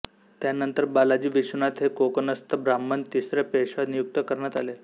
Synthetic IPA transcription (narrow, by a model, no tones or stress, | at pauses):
t̪janənt̪əɾbalad͡ʑiːʋiɕunat̪ɦekokənəst̪əbɾamːənt̪isɾepeɕad̪nijuk̚t̪əkəɾɳjat̪ale